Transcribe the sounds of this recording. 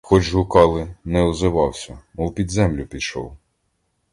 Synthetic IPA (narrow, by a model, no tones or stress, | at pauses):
xɔd͡ʒɦʊkɑlˠɪnɛɔzɪʋɑwsʲɐɔwpʲid̪zɛmlʲʊpʲid̪ʃɔ̰w